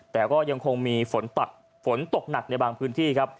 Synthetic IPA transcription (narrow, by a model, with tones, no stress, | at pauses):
t̪ɛː˨˩kɔː˥˩ja˧ŋkʰo˧ŋmiː˧fo˩˦nt̪a˨˩t̪̚ | fo˩˦nt̪o˨˩k̚na˨˩k̚na˧jbaː˧ŋpʰɯː˦˥nt̪ʰiː˥˩kʰa˦˥p̚